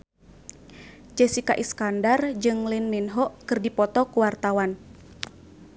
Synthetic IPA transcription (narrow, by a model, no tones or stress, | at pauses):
d͡ʒɛsika̰ʔiskandard͡ʒɨŋlinːinɦɔʔkɨrdipɔt̪ɔkuwart̪awan